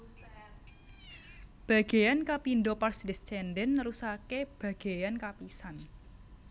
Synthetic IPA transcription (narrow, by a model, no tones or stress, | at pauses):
b̥a̤ɡ̥a̤jankapindoparsdist͡ʃɛndɛnːəɾusakeb̥ä̤ɡ̥a̤jankapisan